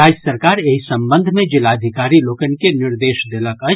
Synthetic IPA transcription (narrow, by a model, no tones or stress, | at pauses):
aːd͡ʒsəɾkaːɾeːisɐ̃mbə̃nd̪ʱmẽd͡ʒɪlaːd̪ʱɪkaːɾiloːkənkenɪɾd̪eːʃd̪eləkɐ